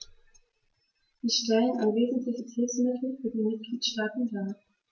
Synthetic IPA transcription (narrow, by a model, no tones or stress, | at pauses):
z̥iːʃtɛɪənʔanveːzn̩tʰlɪçətʰɪfsmɪtʰl̩fyːɐdeːnmɪt̚ɡ̥liːtʃtaːtn̩daː